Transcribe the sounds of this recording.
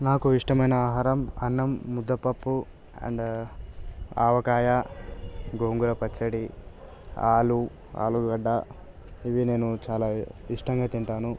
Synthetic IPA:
naːkuiʂʈɐmɐjnɐaːɦaːɾɐmɐnːɐmːud̪ʱːɐpːɐpːu | ɐ̰ɳɖ | a̰ːʋɐkaːja | ɡoːŋɡuɾɐpɐt͡ʃːɐɽi | a̰ːlu | a̰ːluɡɐɖːa | iʋine̞ːnut͡ʃaːlaːiʂʈɐŋɡaːt̪iɳʈaːnu

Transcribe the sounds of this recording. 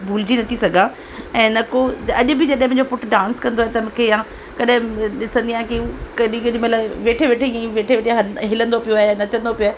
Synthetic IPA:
bʱuːld͡ʑinɐt̪ʰisɐɡʱã | ɛ̃ːnɐkoɐʄʊbɪd͡ʑɐɗɦɪ̃m̃ɦɲd͡ʑopʊʈɖãːnskɐ̃nd̪oaːɦet̪ɐmũːkʰejã | kɐɗɦɪ̃ɗɪsə̃nd̪ijãkekɐɗĩkɐɗĩmɐt̪ləbʋeːʈʰeʋeːʈʰeãĩʋeːʈʰeʋeːʈʰijãɦɦɪlə̃nd̪opijoaːɦejanɐt̪ʰə̃nd̪opijoaːɦe

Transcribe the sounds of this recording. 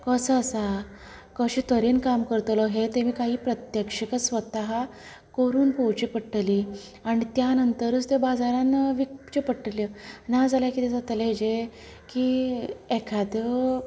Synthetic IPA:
kəsəːsa | kəɕiːt̪əɾiːnkamkəɾt̪lɔɦet̪emiːkaɦiːpɾət̪jəkʂəkəsʋət̪aɦa | kəɾuːnpowt͡ɕiːpəʈːliː | aɽit̪janənt̪əɾət͡st̪ebad͡zaɾãnʋikt͡ɕepəʈːəljənad͡zʱaljakiːt̪ad͡zat̪əleed͡ʑe | kiːekʰad̪j

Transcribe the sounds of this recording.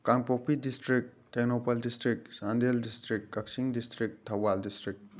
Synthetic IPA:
kaŋpopidistɾik̚ | tenopɐldistɾik̚sandeldistɾikːɐk̚siŋdistɾik̚tʰːɐwaldistɾik̚

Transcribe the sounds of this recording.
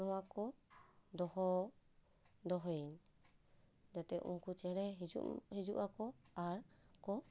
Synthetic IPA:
ɾuakod̪ɔho | d̪ɔɦen | d͡ʒat̪eʔṵŋkut͡ʃeɾeɦid͡ʒṵhid͡ʒuʔakoaɾko

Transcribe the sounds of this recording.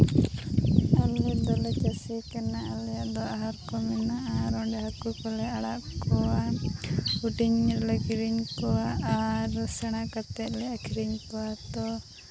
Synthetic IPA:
alʋɛd̪ɔlɛt͡ʃasikɛnaʔaljaʔd̪ɔaɦaɾkɔmɛnaʔaɾɔɳɖɛɦakukɔlɛaɽaʔkɔwa | uʈiɲlɛkiɾiɲpɔwaʔaɾsɛɽ̃akat̪ɛʔlɛakʰiɾiɲpɔwat̪ɔ

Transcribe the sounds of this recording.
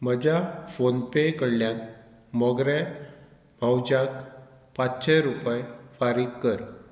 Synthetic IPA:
məd͡ʑafonpekəɽljãnt̪ | mɔɡɾe | mʱawd͡ʑak | pat͡st͡ɕɛ̃ɾupajfaɾikːəɾ

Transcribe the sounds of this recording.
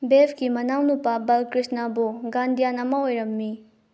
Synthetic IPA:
bepʰkimɐnawnupabɐlkɾisnabuɡandijanamaojɾɐmːi

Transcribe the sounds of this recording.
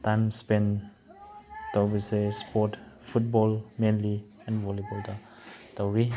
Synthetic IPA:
tajmspɛ̃n | tabisespɔtfut̚bɔlmẽnli | ɛ̃nvɔlibɔlta | tawɾi

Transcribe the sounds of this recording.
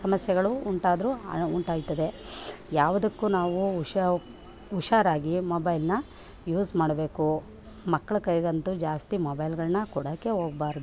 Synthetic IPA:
sɐmɐsjɐɡɐɭuuɳʈaːd̪ɾuuɳʈaːɡt̪ɐd̪e̞jaːʋɐd̪ɐkːuːnaːʋuʃ | uʃaːɾaːɡimoːbɐjlnɐ | juːzmaːɽɐbe̞ːku | mɐkːɐɭɐkɐjɡɐnt̪ud͡ʒaːst̪imoːbɐjlɡɐɭnɐkɔɽaːkeɦoːɡɐbaːɾd̪u

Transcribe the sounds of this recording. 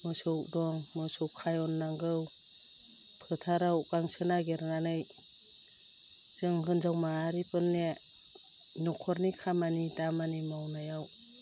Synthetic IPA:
mɯsɯk̚dɔŋmɯsɯwkʰːajɔnːaŋɡɯw | pʰɯtʰaɾaukaŋsɯnaɡeɾnanɯj | z̥ɯŋɦɯnzawmaːɾipɯnːe | nɔkʰɔɾnikʰamanidamanimawnajaw

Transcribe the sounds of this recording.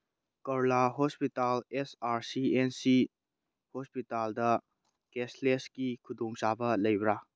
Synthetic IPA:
kɐɾlaɦospitalesaɾsiensi | hospitaldɐ | kesleskikʰudɔŋsabɐlɐjbɾa

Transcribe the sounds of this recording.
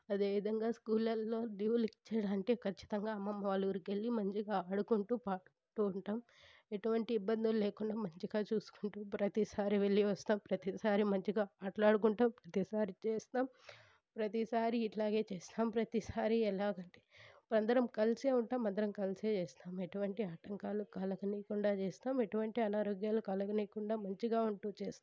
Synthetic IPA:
ɐd̪e̞ːʋid̪ʱɐŋɡaːskuːlɐlːoːluːlikt͡ʃːɛːɽaːnʈeːkʰɐt͡ʃːi̥t̪ɐŋɡaːɐmːɐmːɐʋaːɭuɾuke̞lːimɐɲt͡ʃiɡaːɐɽukuɳʈuːpaːɾ | t̪uːuɳʈaːm | eʈuʋɐɳʈiːbːɐnd̪ululeːkuɳɖaːmɐɲt͡ʃiɡaːt͡ʃuːsu̥kuɳʈuːpɾɐt̪isaːɾiʋeɭːiʋɐst̪aːmpɾɐt̪isaːɾimɐɲt͡ʃiɡaːaːʈlaːɽukuɳʈaːmpɾɐt̪isaːɾit͡ʃeːst̪aːm | pɾɐt̪isaːɾiːʈlaːɡe̞ːt͡ʃeːst̪aːmpɾɐt̪isaːɾiɛlaːɡɐɳʈeːɐnd̪ɐɾɐmkɐlseːuɳʈaːmɐnd̪ɐɾɐmkɐlseːt͡ʃeːst̪aːmeʈuʋɐɳʈiaːʈɐŋkaːlukɐlɐkɐniːkuɳɖaːt͡ʃeːst̪aːme̞ʈuʋɐɳʈiɐnaːɾoːɡjaːlukɐlɐkɐniːkuɳɖaːmɐɲt͡ʃiɡaːuɳʈuːt͡ʃeːst̪aː

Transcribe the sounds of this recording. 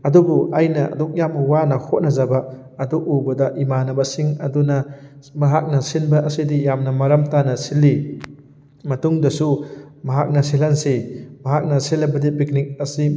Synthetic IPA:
ɐdubuajnɐʔɐ̰dɔk̚jamuwanɐhʰot̚nɐzabɐː | duʔubɐdɐʔimanɐbɐsiŋɐdunɐmɐɦak̚nɐsinbɐʔɐsidijamnɐmɐɾɐmtanɐsilːi | mɐtuŋdɐsumɐɦak̚nɐsilansemɐɦak̚nɐsilɐbɐdipik̚nik̚ɐsi

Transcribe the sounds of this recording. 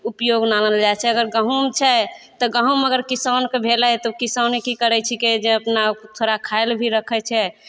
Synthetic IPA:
upjoɡnanəld͡ʒat͡ʃʰɛəɡəɾɡəɦumt͡ʃʰɛt̪ɔɡəɦuməɡəɾkisankebʱelɛt̪ɔkisanikikəɾɛt͡ʃʰiked͡ʒeəpnat̪ʰoɾakʰaelbʱiɾəkʰɛt͡ʃʰɛ

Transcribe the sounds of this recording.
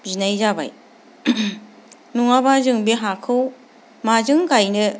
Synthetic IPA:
zinajzaba̰j | nuŋabazɯŋbiɦakʰɯw | mazɯŋkajnɯ

